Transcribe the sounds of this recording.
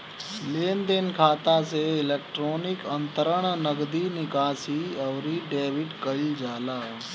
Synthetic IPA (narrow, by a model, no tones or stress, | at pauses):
leːnd̪enkʰaːt̪aseɪleːkʈɾoːnɪkənt̪əɾəɳ̃nəɡd̪iːnɪkaːsiːəʋɾiːɖeːʋiʈkəild͡ʒaːlaː